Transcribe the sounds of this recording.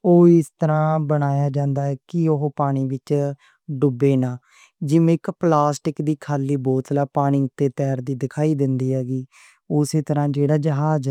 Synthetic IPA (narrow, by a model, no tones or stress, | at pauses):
oːɪst̪əɾãːbəɽ̃aːjaːd͡ʒãːnd̪aːɛːkɪoɦpaːɽ̃iːʋɪt͡ʃ | ɖʊbeːnaː | d͡ʒɪmẽːɪkplaːsʈɪkd̪iːkʰaːliːbɔːt̪laːpaːɽ̃iːt̪eːt̪ɛːɾd̪iːd̪ɪkʰaːiːd̪ɪnd̪iːɦɛːɡiː | ʊseːt̪əɾãːd͡ʒeːɽaːd͡ʒəɦaːd͡ʒ